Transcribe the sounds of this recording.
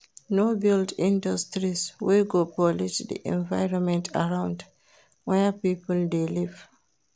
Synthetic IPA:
nobildĩndɔstɾisweɡopɔliʃdḭʔɛ̰̃nvajɾɔnmɛ̃ntʰa̰ɾawnd | wɛapiːpuldeliv

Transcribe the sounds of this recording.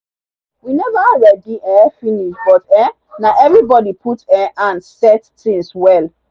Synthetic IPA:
winɛvaɹɛdiɛfiniʃbɔtɛ | naʔɛvɹibɔdipʰutɛʔãnsɛttĩŋswɛl

